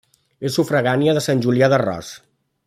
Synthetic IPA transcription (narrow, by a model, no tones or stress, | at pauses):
esufɾəɣaniəðəsanʲʒuliaðərɔ̰s